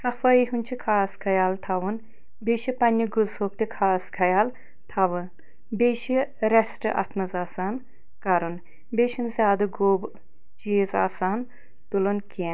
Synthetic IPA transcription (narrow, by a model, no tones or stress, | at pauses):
sɐfɐiɦunʲt͡ʃʰikʰaːskʰɐjaːlt̪ʰaʋun | beːʃipɐnʲːiɡuzhoːkt̪ikʰaːskʰɐjaːl | t̪ʰaʋɨn | beːʃiɾɐsʈɨʔɐ̰t̪ʰmɐzaːsaːn | kɐɾun | beːʃinzʲjaːd̪ɐɡoːb | t͡ʃiːzaːsaːn | t̪ulɐnkin